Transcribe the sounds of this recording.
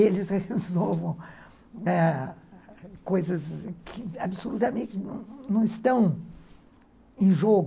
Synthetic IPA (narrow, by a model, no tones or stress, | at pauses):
elɪshezovɐ̃w̃ | ɛ | kojzɐskʰɪabɪsolut̪ɐmẽt͡ʃɪnɐ̃w̃nɐ̃w̃ɪst̪ɐ̃w̃ | ẽj̃ʒoɡ